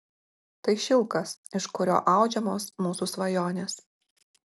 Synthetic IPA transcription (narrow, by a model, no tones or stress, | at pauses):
t̪ɐɪʃʲɪlˠˑkɐsɪʃkʊɾʲo̰ːʔɑˑʊd͡ʒʲɛmoːsmuːsusʋɐjoːnʲeːs